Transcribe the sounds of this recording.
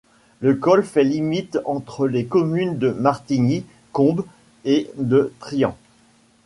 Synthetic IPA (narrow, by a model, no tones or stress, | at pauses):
ləkɔlfɛlimit̪ɑ̃t̪χəlekɔmynd̪əmaʁt̪ini | kɔ̃b | ed̪ət̪χijɑ̰̃